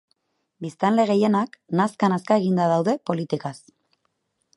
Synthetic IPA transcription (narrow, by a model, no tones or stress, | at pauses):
bist̪anle̞ɣe̞je̞naknaskanaskaeɣ̞ind̪að̞awðe̞po̞lit̪ikas